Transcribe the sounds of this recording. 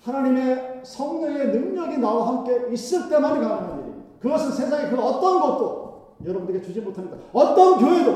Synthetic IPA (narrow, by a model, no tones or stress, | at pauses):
hanaɲime̞sʰʌŋɲʌŋe̞nɯŋɲʌɡinawaɦamk͈e̞is͈ɯɭt͈e̞manɯɭkaŋamaaiikɯɡʌsʰɯnsʰe̞sʰaŋikɯʌt͈ʌnɡʌt̚t͈o | jʌɾʌbundeket͡ɕud͡ʑimotʰaɲitaʌt͈ʌnkjoɦe̞do